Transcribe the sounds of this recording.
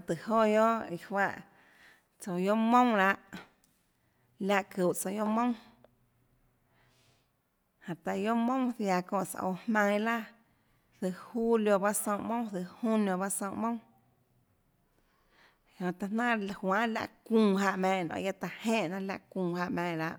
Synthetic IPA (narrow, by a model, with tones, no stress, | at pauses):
t̪ɨ˨ho˦jo˦ʔi˧hwa˧ʔ | t͡so˧˨jo˦mõ˦ŋɾa˧ʔ | la˧ʔku˨ʔt͡so˧jo˦mõ˦w̃ | hã˨t̪a˧jo˦mõ˦θja˧˨kɔ̃ː˧˨ʔsa̰˧ʔo̰˧˨hmã˧ŋ˧˦la˦ | θɨ˧˨ʔhu˦ljo˧ba˦ʔsõ˧˨ʔmõ˦θɨ˧˨hũ˦njõ˧βa˦sõ˧˨mõ˦ | jõ˧t̪a˧nã˦lhwã˦la̰˧˨ʔkũː˧˨ɦa˧ʔmɛ̃ː˧˨nõ̰˧˨ja˦t̪a˧˨hẽ˦ʔnã˦la̰˧ʔkũː˧˨ha˧ʔmɛ̃ː˧˨ɾa˧ʔ